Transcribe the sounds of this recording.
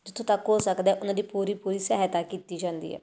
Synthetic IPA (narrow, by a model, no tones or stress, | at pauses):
d͡ʒɪt̪ʰːõːt̪akɦoːlsəkd̪ɛːʔʊnãːd̪iːpuːɾiːpuːɾiːsɛːɦt̪aːkiːt̪iːd͡ʒãːnd̪ḭːɛ̰ː